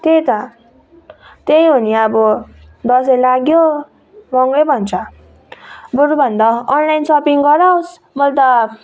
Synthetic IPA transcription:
t̪ejt̪ʌ | t̪ejɦuniabɔ | d̪ʌselaɡjo | bʱʌŋɡebʱʌnt͡sʰʌ | buɾubʱʌnd̪ʌːnlajnsʌpiŋɡʌɾaws | mʌlt̪ʌ

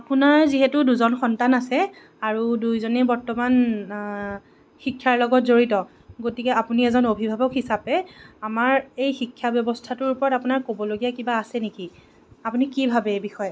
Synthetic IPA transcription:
apunaɹziɦɛtʊduzɔnxɔntanasɛ | aɹudujzonɛbɔɹtɔman | xikʰːjaɹlɔɡɔtzoɹitɔ | ɡotikɛapuniɛzɔnobʱibʱabɔkɦisapɛamaɹejxikʰːjabjɔbɔstʰatʊɹupɔɹɔtapʊnaɹkobɔloɡijakibaːsɛneki | apunikibʱabɛebixɔjɛ

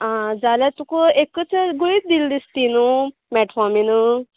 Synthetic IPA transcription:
ad͡zalat̪ukuekːət͡səɡuit̪̚d̪ild̪ist̪inu | mɛʈfɔminu

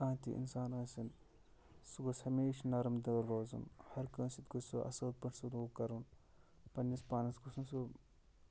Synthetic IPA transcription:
ãːnt̪ḭʔḭnsaːnɐːsin | suɡushɐmeːʃnɐɾɐmd̪ɐlɾoːzṵnhɐɾkɐ̃ːnsit̪ɡusṵʔɐ̰sɐːd̪̚pɐʈʰsud̪uːkɐɾun | pɐnːɐspaːnɐsɡusunsu

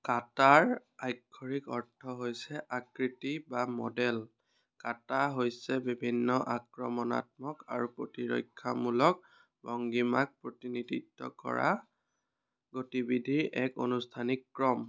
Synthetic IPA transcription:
kataɹajkʰːɔɹikɔɹtʰːɔɦojsɛʔakɹitibamɔ̰dɛl | kataɦojsɛbibʱinːɔʔakɹɔmɔna̰t̚mɔka̰ɹupotiɹɔ̰jkʰːamulɔk̚ | bɔŋɡimak̚pɹotiniditːɔ̰kɔ̰ɹa̰ | ɡotibidʱiɹʔɛko̰nustʰanikːɹɔm

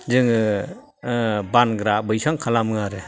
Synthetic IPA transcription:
zɯŋɯ | banɡɾabɯjsaŋkʰalamɯŋaɾɯ

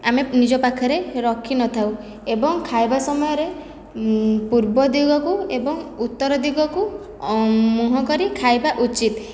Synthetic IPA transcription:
amenid͡ʒɔpakʰɔɾeɾɔkʰinɔt̪ʰaw | ebɔŋkʰajbasɔmɔjɔɾe | puɾbɔd̪iɡɔkuebɔŋut̪ːɔɾɔd̪iɡɔku | muɦɔkɔɾikʰajbaʔut͡ʃit̪

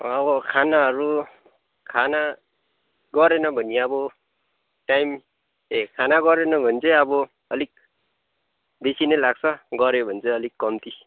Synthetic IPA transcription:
abɔkʰanaʌɾu | kʰana | ɡɔɾenʌbʱʌniabɔ | ʈajm | ekʰanaɡɔɾenʌbʱʌnt͡seabɔ | ʌlik̚ | d̪esinʌlaɡ̚sʰʌɡɔɾebʱʌnt͡seʌlikːɔmt̪i

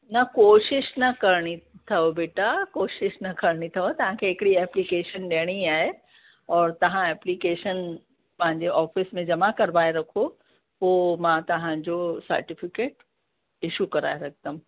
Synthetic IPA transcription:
nɐkoːʃɪʃnɐkɐɾɽ̃it̪ʰɐobeːʈakoːʃɪʃnɐkɐɾɽ̃it̪ʰɐot̪ɐɦãkʰeɦɪkɪɽiɛːplikeːʃənɗeəɽ̃iaːɦe | ɔːɾt̪ɐɦãɛːplikeːʃən | pɐ̃ɦɪ̃ɲd͡ʑeʔɔːfɪsmẽd͡ʑɐmakɐɾʋaːeɾɐkʰo | poːmãt̪ɐɦãd͡ʑosɐ̰ɾʈɪfɪkeːʈ | ɪʃukɐɾa̰ːeɾɐkʰt̪əm

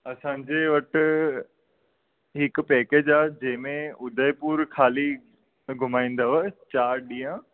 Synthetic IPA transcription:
ɐsãːɲd͡ʑeʋɐʈ̆ | ɦɪk̆pɛːkeːd͡ʑaːd͡ʑɐ̃ɦɪ̃mẽʊd̪ʱəjpuːɾkʰaːli | ɡʱʊmaːĩːn̆d̪aʋɐt͡ɕaːɾɗĩːjə̃

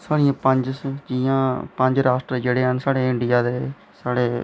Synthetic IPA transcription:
saːɽɪjãːpəɲd͡ʒsd͡ʒijãːpəɲd͡ʒɾaːsʈɾeːd͡ʒeːɽeːɦənsaːɽeːɪ̃ɳɖɪjaːd̪eː | saːɽeː

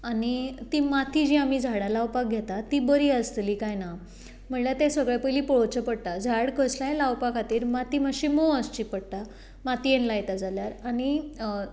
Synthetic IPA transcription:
anit̪imat̪ʰid͡ʑĩamid͡zʱaɽalawpak̚ɡʱjet̪at̪ibəɾiːəst̪liːkajna | m̤əɳlat̪ɛ̃səɡɭepəjliːpɔɭot͡ɕəpəɽt̪ad͡zʱaɽkəslãjẽlawpakat̪iːɾmat̪iːməɕimoəst͡ɕipəɽt̪a | mat̪ienlajt̪ad͡zʱaljaɾañi

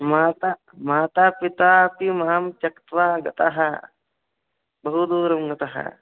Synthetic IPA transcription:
maːt̪a | maːt̪aːpit̪apimaːmt͡ʃɐkt̪ʋaɡɐt̪aɦɐ | bɐɦud̪uːɾɐmɡɐt̪aɦɐ̰

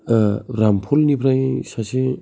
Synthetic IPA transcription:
ɾampʰulnipʰɾajsasi

